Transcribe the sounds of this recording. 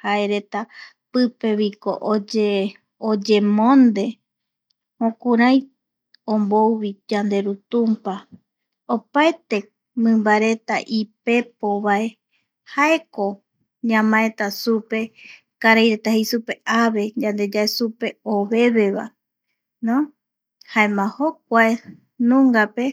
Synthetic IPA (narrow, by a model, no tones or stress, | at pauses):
hae̞ɾe̞t̪a | pɨpe̞βiko̞̰ʔod͡ʒe | od͡ʒe̞mõnd̪e̞ | mõkuɾaj | õmbowβid͡ʒand̪e̞ɾut̪umpa | opaet̪e̞ | mɨ̃mbaɾe̞t̪a̰ʔipe̞po̞βae̞ | hae̞ko̞ | ɲãmãet̪asupe̞ | kaɾajɾe̞t̪ahejsupe̞ʔaβe̞d͡ʒand̪e̞d͡ʒaesupe̞oβe̞βe̞βa̰ | nõ | haemãhok̚ʷae | nũŋɡape̞